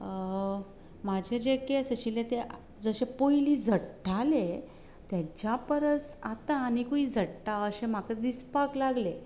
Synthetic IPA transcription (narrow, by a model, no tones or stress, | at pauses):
mad͡ʑʱed͡ʑekesəɕilẽt̪e | d͡zəɕepojlid͡zʱəʈʈale | t̪jat͡ɕjapəɾət͡sat̪aːnikuid͡zʱəʈʈaəɕem̤akəd̪ispaklaɡle